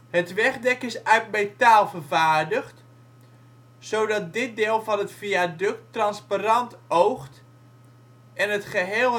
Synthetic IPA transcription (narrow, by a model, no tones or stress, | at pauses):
ɦətʋɛχdɛkɪsœɥtmejtaːlˠvərvaːrdəχt | sowdɑt̚dɪt̚dɪːlˠvɑnɦətfiadɵk̚trɑnsparɑntowχt | ʔɛnətχəɦeːl